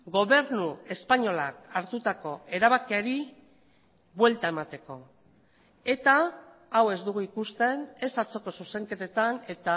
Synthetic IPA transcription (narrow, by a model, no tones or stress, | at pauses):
ɡo̞βe̞ɾnue̞spaɲo̞lakaɾt̪ut̪ako̞e̞ɾaβakiaɾi | bwe̞lt̪ae̞mat̪e̞ko̞ | e̞t̪aː | we̞zd̪uɣuikust̪e̞ne̞sat͡so̞ko̞suse̞ŋke̞t̪e̞t̪ane̞t̪a